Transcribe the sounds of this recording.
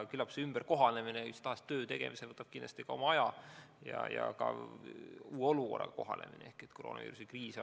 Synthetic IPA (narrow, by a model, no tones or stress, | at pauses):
kylɑpseymb̥erko̞ɦɑne̞mineyst̪ɑhɑst̪ːø̞ːt̪e̞ɡ̥ḛmisevɤt̪ːˑɑb̥kind̪̥ɑst̪ikɑo̞mɑɑjɑjɑ̰jɑ̰kɑ̰ | uːeo̞lukorːɑ̰kɑ̥ko̞ɦɑ̰nḛmḭnḛe̞hkˑet̪ːkoroːnɑvḭːɾusikriːs